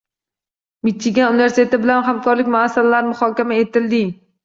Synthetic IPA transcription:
mɪt͡ʃʰːɪɡʲaunɪve̞ɾsɪ̥t̪ʰe̞t̪ɪbɪlanɦamkʰɒɾlɪk̚ʲmʊasːalalaɾmʊχɒkʲamae̞t̪ɪld̪ɪ

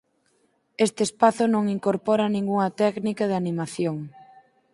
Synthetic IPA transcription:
est̪ɪːspaθʊnõŋiŋkoɾpɔɾanĩŋɡuŋɐt̪ɛknikɐð̞ɪanimaθjoŋ

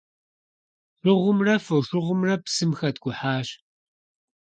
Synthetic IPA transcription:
rʷɨʁʷʊmrɐfɐwʂʷʊʁʷʊmrɐpsɨmxɐtɡ̥ʷʊħaːɕ

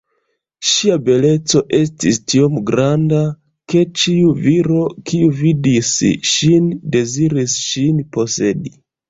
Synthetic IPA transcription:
ʃiabe̞le̞t͡so̞ʔe̞s̬tistiomɡɾanda | ke̞t͡ʃiuviɾo̞kiuvidisʃinde̞ziɾisʃinpo̞se̞di

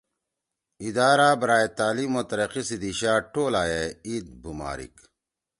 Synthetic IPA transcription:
id̪aːɾaːbɐɾaːjet̪aːliːmot̪ɐɾɐqisid̪iɕaːʈʰoːlaːjeid̪̚bʱuma̰ːɾḭk

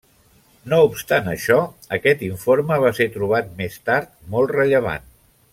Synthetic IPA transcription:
noupst̪anə̰ʃɔəkɛt̪iɱfoɾməβ̞aseɾt̪ɾuβ̞at̪̚mest̪aɾt̪̚molˠtrəʎəβ̞a̰n

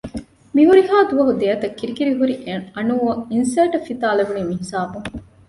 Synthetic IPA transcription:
miɦuɾiɦaːd̪uʋɐɦud̪eːɐt̪ɐkːiɾikiɾiɦuɾiɐnuːɐŋinsɐjːʈɐfːit̪aːleʋuniːmiɦisaːbuŋ

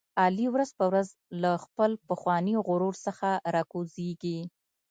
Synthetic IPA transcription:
ɑliwɾazpəwɾaz | laxpəlpəxwɑniɣʊɾuɾsəxaɾɑkozeɡi

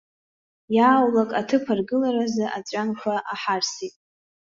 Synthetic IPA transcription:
jaːwlakʼatʰɨpʰarɡɨlaɾazɨʔat͡ɕʷʼanʃʷaʔaħarsitʼ

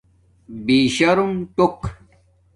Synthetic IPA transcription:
biːɕɐɾumʈok

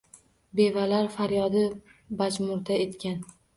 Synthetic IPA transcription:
be̞valaɾfaɾjɒd̪ɪbad͡ʒmʊɾd̪ae̞t̪kʲʰan

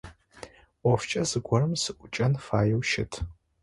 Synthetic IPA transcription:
ɔft͡ʃʼɐzɨɡʷɔrɨmsɨʔʷʊt͡ʃʼɐnfaːjɛwʃɪtʰ

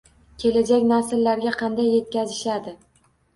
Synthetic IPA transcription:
kʲʰe̞lad͡ʒakʲnasɪlːaɾɡʲaqʰɑnd̪ajːe̞t̪̚kʲazɪʃad̪ɪ

